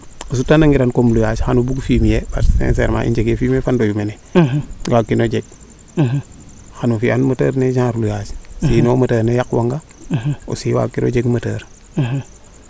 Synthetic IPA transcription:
us̬utanaŋiɾankomlujaːt͡ʃhanubuɡfiːmijeba̰ɾsḛns̬eːɾma̰ʔḭnd͡ʒeɡefiːmefandojumene | waːkːinod͡ʒeɡ̚ | hanufianmɐtəːɾned͡ʒãːɾlujaːt͡ʃsinoːmɐtəːɾnejakwaŋɡa | o̰siwa̰ːkːiɾo̰d͡ʒeɡmɐtəːɾ

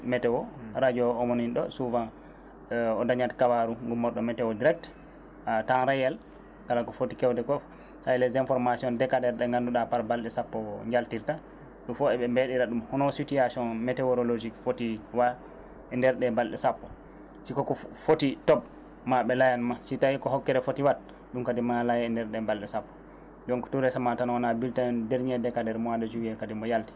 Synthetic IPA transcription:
mɛtɛwɔɾad͡ʒɔɔmoninɗɔ̰suvãn | ɔdaɲatkabaɾuŋɡumːɔɗɔmɛtɛwɔdiɾɛk̚t | atanɾajɛl | kalakɔfotikɛwtɛkɔf | sajlɛzɛnfɔɾmasiɔndɛkadɛɾɗɛŋɡanduɗapaɾbalɗɛsapːɔɲd͡ʒaltiɾta | ɗumfɔɛɓɛmbeɗiɾaɗumhɔnɔsutijasɔnmɛtɛɔɾolod͡ʒikfotiwa | ɛndɛɾɗɛbalɗɛsapːɔ | sikɔkɔfotitɔp | maɓɛlajanmasitawikɔɦɔkːɛɾɛfotiwat̚ | ɗumkadimalajɛɛndɛɾɗɛbalɗɛsapːɔ̥ | d͡ʒɔŋkɔ̥tuɾɛsamatanawanabiltadeɾɲɛdɛkadɛɾmɔwadad͡ʒuwiɛkadimɔjalti̥

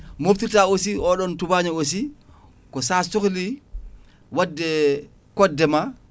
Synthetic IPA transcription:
moftitaosiɔɗɔntubaɲaos̬i | kɔsasokli | wadːɛ | kɔdːɛma

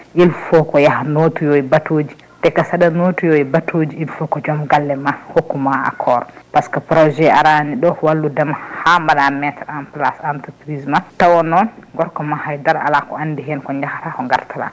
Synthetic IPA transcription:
ʔilfɔkɔjahanotujɔɛbatoːd͡ʒi | tɛkasaɗanotujɔɛbatʰod͡ʒiilfɔkɔd͡ʒɔmɡalːɛmahokːumaa̰kʰɔɾɔpaskapɾɔʒɛaɾaniɗɔwalːudɛmhamaɗamɛtaɗanplasantupɾismatawɔnɔnɡɔɾkɔmahajdaɾa̰lakɔ̰andiɦɛnkɔɲd͡ʒahatakɔŋɡa̰ɾtala̰

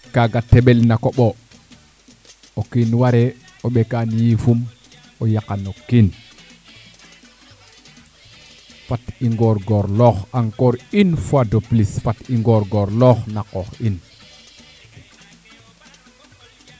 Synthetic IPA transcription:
kaɡatːɛɓɛlnakɔɓɔ | okinwaɾɛ | oɓɛkanjifum | ojakanokin | fatiŋɡɔɾɡɔɾlɔxaŋkɔɾinfadoplisfatiŋɡɔɾɡɔɾlɔxnakɔxin

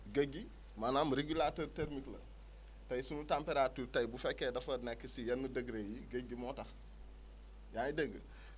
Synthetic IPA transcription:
ɡeɡi | manamɾeɡulatoɾteɾmiklɐ̰ | tɐjisunutampeɾatuːɾtɐjibufɛkːeːdɐfɐdnekːəsijɐnːudəɡɾejiɡəɡimɔtɐx | jajidəɡə̰

